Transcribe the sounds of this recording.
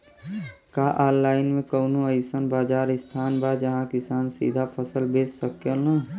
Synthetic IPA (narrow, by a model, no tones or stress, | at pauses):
kaʔallːaːɪnmẽkəʊnoəɪsənbaːd͡ʒaːɾɪst̪ʰaːnbad͡ʒəɦãkɪsaːnsḭd̪ʱapʰəsəlbeːt͡ʃsəkəla